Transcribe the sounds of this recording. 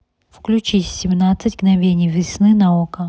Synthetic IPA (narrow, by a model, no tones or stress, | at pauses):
fklʲʉt͡ɕisʲsʲɪmnat̪sɨtʲɡnɐvʲenʲɪjvʲɪsnɨnaokə